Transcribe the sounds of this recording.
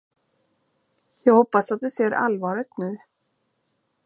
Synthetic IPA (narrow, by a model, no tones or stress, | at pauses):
jɛɣhowpːasat̪̚d̪ʉsɛɾʔa̰lvaːɾɪt̪nʉː